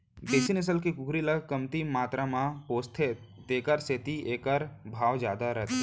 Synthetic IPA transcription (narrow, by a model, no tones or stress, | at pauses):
b̪eːsinɪs̬əlkikʊɡɾiləɡkɐmt̪imaːt̪ɾamãpoːst̪ʰe | t̪eːkəɾset̪iʔeːkəɾbʱaːʋd͡ʒjaːd̪aɾɐt̪ʰː